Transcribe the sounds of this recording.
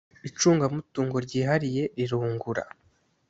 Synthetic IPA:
it͡ʃuːŋɡamutuːŋɡo̞ɾɟiːɦaɾije̞ɾiɾuːŋɡuɾa̰

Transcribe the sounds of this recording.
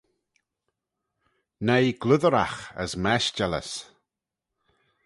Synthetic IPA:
nejɡ̥lʊðəɾa̰xə̰smɛʃd͡ʒɛlə̰s

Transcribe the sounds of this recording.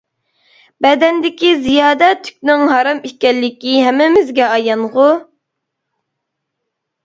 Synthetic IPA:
bɛd̪ɛnd̪ɪkʲizijɑːd̪ɛt̪ʰy̥k̚ʲnɪŋɦɑɾɑmikʲɛlːɪkʲiɦɛmːɪmɪzɡʲɛɑjɑnʁʊ

